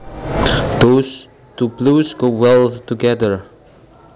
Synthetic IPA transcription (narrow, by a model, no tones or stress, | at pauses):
d̪os | t̪uplusɡowɛlˠtuɡɛðə˞